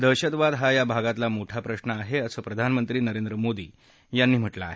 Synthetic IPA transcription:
d̪əɕət̪ʋad̪ɦajabʱaɡat̪lamoʈʰapɾəɕnəaɦeəsəːpɾəd̪ʱanmənt̪ɾiːnəɾend̪ɾəmod̪ḭː | janːiːm̤əʈla̰ːɦe

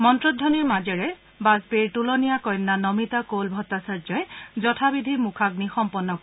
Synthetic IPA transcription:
mɔntɹɔdʱːɔniɹmazɛɹɛ | basbiɹʈulɔnijakɔjnːanɔmitakolbʱɔtːasaɹzɔjzɔtʰabidʱimukʰak̚nixɔmpɔnːɔk

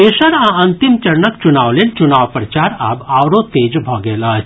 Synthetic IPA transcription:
esəɾãənt̪imt͡ʃɐɾɳəkt͡ʃunaːʋlelt͡ʃunaːʋpɾət͡ʃaɾabawɾot̪eːd͡ʒbʱoɡela

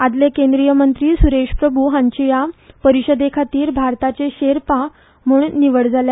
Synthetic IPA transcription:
ad̪lekẽnd̪ɾijəmənt̪ɾiːsuɾeɕpɾəbʱuːɦãɲt͡ɕijapəɾiɕəd̪ekʰat̪iːɾbʱaɾt̪at͡seɕeɾpa | m̤uːɳniʋəɽd͡zalja

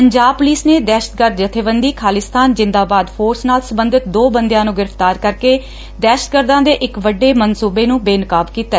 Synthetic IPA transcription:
pəɲd͡ʒaːb̚pʊliːsneːd̪ɛːʃə̥t̪̚ɡəɾd̪d͡ʒət̪ʰeːʋənd̪iːkʰaːlɪst̪ʰaːnd͡ʒɪnd̪aːbaːd̪pʰoːɾsnaːlsəmbənd̪ɪt̪̚d̪oːbənd̪jãːnũːɡɪɾəpʰt̪aːɾkəɾkeː | d̪ɛːʃə̥t̪̚ɡəɾd̪ãːd̪eːʔɪkʋəɖːeːmənsuːbeːnũːbeːnəkaːbkiːt̪aː

